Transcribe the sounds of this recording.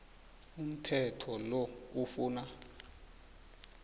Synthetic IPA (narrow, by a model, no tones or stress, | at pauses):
um̩tʰɛtʰɔlɔufuːna